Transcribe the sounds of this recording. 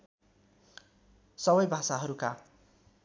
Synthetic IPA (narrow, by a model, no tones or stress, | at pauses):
sʌβʌjbʱasaɦʌɾuka